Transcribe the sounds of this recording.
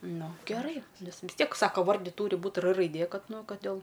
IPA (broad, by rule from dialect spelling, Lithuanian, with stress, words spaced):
ˈnʊ ɡʲɛˈrɐɪ ˈnʲɛs ʋʲɪs ˈtʲiɛk ˈsɑːkɐ ˈʋɐrʲdʲɪ ˈtuːrʲɪ ˈbuːt r rɐɪˈdʲeː ˈkɐt ˈnʊ ˈkɐt dʲeːlˠ